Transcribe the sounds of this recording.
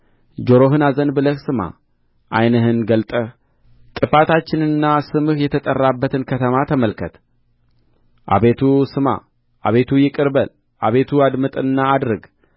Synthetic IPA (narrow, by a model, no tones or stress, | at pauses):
d͡ʒo̞ɾo̞ɦɨnazənbɨləhsɨma̰ | ʔajnəɦɨnɡəlt̪ʼə | t̪ʼɨfat̪at͡ʃːɪnɨnːasɨmɨhjɛt̪ʰət̪ʼərːabːət̪ʰɨnkʰət̪ʰəmat̪ʰəməlkʰət̪ | ʔa̰βe̞t̪ʰusɨma̰ | ʔaβe̞t̪ʰujɪkʼɨɾbəl | ʔaβe̞t̪ʰuad̪mɨt̪ʼɨnːaːd̪ɾɨɡ